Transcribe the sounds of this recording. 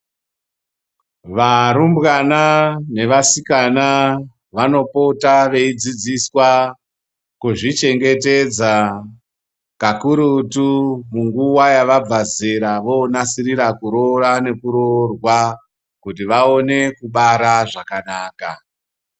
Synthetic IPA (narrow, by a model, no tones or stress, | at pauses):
ʋaɾumbɣanane̞ʋasikana | ʋano̞potaʋe̞id͡zid͡ziswa | kuʐit͡ʃe̞ŋɡe̞te̞d͡za | kakuɾutumuŋɡuwajaʋab͡vazeɾaʋo̞nasiriɾakuɾo̞rane̞kuɾo̞rwa | kutiʋao̞ne̞kuɓaɾaʐakanaːka̰